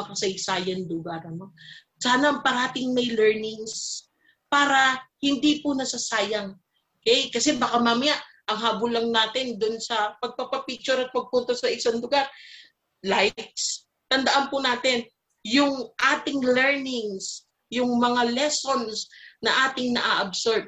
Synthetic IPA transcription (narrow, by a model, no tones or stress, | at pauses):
ɐkɐsɐjsaːjɐnlʊɡaɾʔɐno | saːnɐʔɐŋpɐɾaːt̪ɪŋmɐjlɛɹnɪŋs | paːɾɐhɪnd̪ipʊnɐsasaːjɐŋ | ʔokɛjkɐsɛbakamaːmɐjaʔ | ʔɐŋɦaːbʊnlɐŋnaːt̪ɪnd̪ʊnsɐpɐɡ̚papɐpik̚t͡ʃʊɾɐt̪̚pɐɡ̚punt̪osɐʔɪsanlʊɡaɾ | lajks | t̪ɐnd̪ɐʔanpʊnaːt̪ɪn | jʊŋʔaːt̪ɪŋlɛɹnɪŋs | jʊŋmɐŋalɛso̞nsnɐʔaːt̪ɪŋnɐʔaʔɐbsoɹt̚